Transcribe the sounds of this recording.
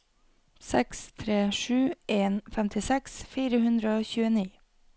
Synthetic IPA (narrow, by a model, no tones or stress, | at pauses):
sɛkst̪ʰɾeːʃʉːeːnfɛmt̪ʰɪsɛksfiːɾəhʉnd̪ɾəoːçʉːəniː